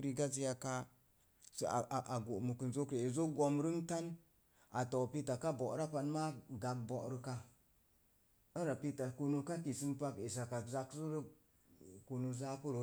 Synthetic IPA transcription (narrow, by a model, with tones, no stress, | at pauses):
ɾi˧ɡa˦zi˦ja˧ka˦ | sa˨ʔa˨ɡo˨ʔmu˨kə˨nzo˦kɾe˨e˨zo˦k̚ɡo˧mɾɨ˦ŋta˦n | a˨tɔ˨pi˦ta˨ka˦bo˨ʔɾa˦pa˧nma˦ɡa˨k̚bɔ˨ʔɾə˧ka˧ | ə˦ɾa˨pi˦ta˨ku˧nu˧ka˦ki˨sɨ˦mpa˦ke˨sa˨ka˨za˦kzu˦ɾə˦ | ku˧nu˧za˦ku˦ɾo˨